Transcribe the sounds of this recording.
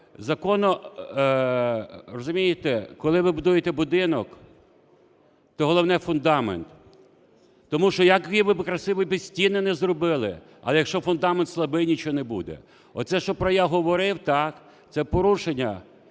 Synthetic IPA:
zɐkɔnɔ | rɔzʊmʲijɪt̪ɛkɔlˠɪʋɪbʊd̪ujet̪ɛbʊd̪ɪnɔk | t̪ɔɦɔlˠɔwnɛfʊnd̪ɑment̪ | ɔmuʃt͡ʃɔjɐkiʋɪbɪkɾɐsɪʋɔbʲisʲtʲinːɛnɛzrɔbɪlˠɪ̰ | ɐ̰lˠɛjɐkʃt͡ʃɔfʊnd̪ɑment̪slˠɐbɪjnʲit͡ʃɔnebṵd̪ɛ̰ | ɔ̰t̪sɛʃt͡ʃɔpɾɔjaɦɔʋɔɾɪwt̪ɑk | t̪sɛpɔɾuʃenʲːɐ

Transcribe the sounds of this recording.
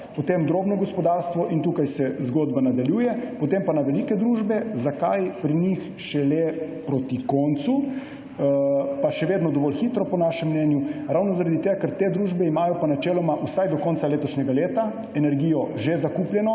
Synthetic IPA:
pɔt̪emd̪ɾoːbnɔɡɔspɔd̪aːɾst̪ʋɔʔint̪uːkajsɛzɡoːd̪banad̪aljuːjɛpɔt̪empanaʋɛlikɛd̪ɾuʒbɛzakajpɾinix | ʃɛle | pɾot̪ikɔnt̪su | paʃɛʋeːd̪nɔd̪ɔʋɔlxit̪ɾɔpɔnaːʃɛmːnɛnjuɾaːwnɔzaɾad̪it̪eːɡakɛɾt̪eːd̪ɾuːʒbɛimaːjɔpanat͡ʃɛːlɔmaʔusajd̪ɔkɔnsaleːt̪ɔʃnɛɡaleːt̪a | ɛnɛɾɡiːjɔʒezakupljɛnɔ

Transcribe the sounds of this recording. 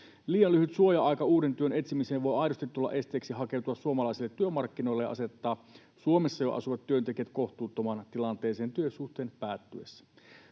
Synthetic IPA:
liːjɑlːyɦyt̪suo̞jɑɑjkɑuːdent̪yøne̞t̪simiseːʋʋo̞jɑjdost̪it̪t̪ːulːɑ̰ʔe̞st̪eːksiɦɑke̞wt̪uɑsuomɑlɑisilːet̪ːyømɑrkːino̞jlːejɑ̰ɑ̰se̞t̪ːɑː | suomesːɑjoʔɑ̰suʋɑt̪tːyønt̪e̞kiæt̪ko̞ht̪uːt̪ːomɑːnt̪ilɑnt̪eːseːnt̪yøsuht̪eːnpæːt̪ːyesːæ̥

